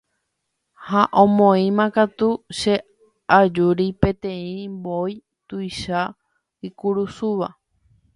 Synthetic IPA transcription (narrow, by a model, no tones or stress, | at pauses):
haʔõmõĩmãkat̪uʃe̞ | ad͡ʒuɾipẽ̞t̪ẽ̞ĩmboj | t̪ujʃa | ikuɾusuʋa